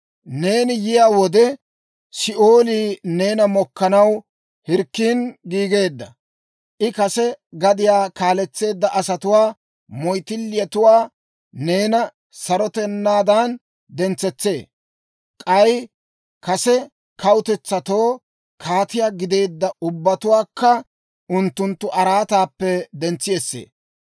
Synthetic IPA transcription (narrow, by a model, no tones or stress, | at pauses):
ne̞ːnɪjɪjaːwɔd̪ɛ | sɪʔoːliːne̞ːnɐmɔkːɐnɐw | hɪɾkːiːnɡiːɡe̞ːd̪ːɐ | ʔɪkɐsɛɡɐd̪ɪjaːkaːlɛt͡sːe̞ːd̪ːɐʔɐsɐt̪ʊwaː | mɔjt̪ɪlːɪjɐt̪ʊwaː | ne̞ːnɐ | sɐɾɔt̪ɛnːaːd̪an | d̪ɛnt͡sːɛt͡sːe̞ː | kʼɐj | kɐsɛ | kɐwʊt̪ɛt͡sːɐt̪o̞ː | kʰaːt̪ɪjaːɡɪd̪e̞ːd̪ːɐʊbːɐt̪ʊwaːkːɐ | ʔʊnt̪ːʊnt̪ːʊʔɐɾaːt̪aːpːɛd̪ɛnt͡sːɪjɛsːḛː